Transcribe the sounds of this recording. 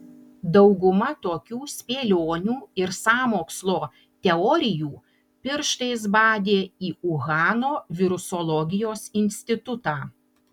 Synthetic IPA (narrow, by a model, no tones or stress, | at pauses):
d̪ɐʊɡʊmɐt̪oːkʲuːsʲpʲeːlʲoːnʲuːɪɾsɑːmoːkslˠoː | t̪ʲɛɔɾʲɪjuː | pʲɪɾʃt̪ɐɪs̬bɑːd̪ʲeːiːʊɣɑːnoːʋʲɪɾʊsɔlˠɔɡʲɪjoːsɪnʲsʲt̪ʲɪt̪ʊt̪ɑː